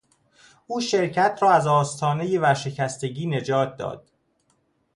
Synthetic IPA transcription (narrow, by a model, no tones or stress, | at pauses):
uːʃe̞ɾcʰæt̪ʰɾɒːæzɒːst̪ʰɒːne̞jevæʃe̞cʰæst̪e̞ɟiːne̞d͡ʒɒːt̪̚ʰd̪ɒ̰ːd̪̥